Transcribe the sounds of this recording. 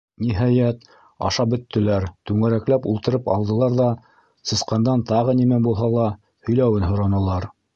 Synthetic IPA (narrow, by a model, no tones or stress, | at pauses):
niɦɑjæt̪ | ɑ̰ʃɑbɵ̆t̪ːɘ̆læɾt̪ʉŋæɾæklæpulˠt̪ɤ̆ɾɤpɑ̰lˠd̪ɤ̆lˠɑɾðɑ | sɤ̆sqɑnd̪ɑnt̪ɑʁɤnimænbulˠɦɑlˠɑ | hɵ̆jlæwɘnɦŏɾɑnɤ̆lˠɑɾ